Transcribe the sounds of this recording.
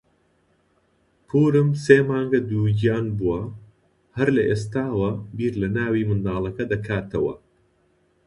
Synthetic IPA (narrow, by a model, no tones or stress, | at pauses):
pʰuːɾɨmseːmaːŋɡɐd̪uːɟijaːnbuwɐ | hɐɾlɐʔeːst̪aːwɐbiːɾlɐnaːwiːmɨnd̪aːlˠɐkɐd̪ɐkʰaːt̪ʰɐwɐ̰